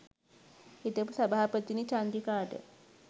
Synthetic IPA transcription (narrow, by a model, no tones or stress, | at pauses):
et̪əpusabaːpət̪init͡ʃand̪ikaːʈə̰